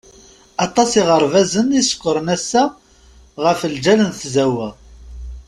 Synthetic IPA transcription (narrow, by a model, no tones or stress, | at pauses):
ɑt̪ˤɑsiʁəɾˤvæzənisə̥kʷːəɾənæsːæ | ʁəfəld͡ʒælənθzæwæ